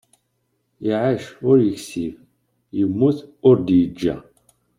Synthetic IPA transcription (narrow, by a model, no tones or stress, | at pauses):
jəʕaʃʊɾjəksif | jəmːuθʊɾd̪jəd͡ʒːæ̰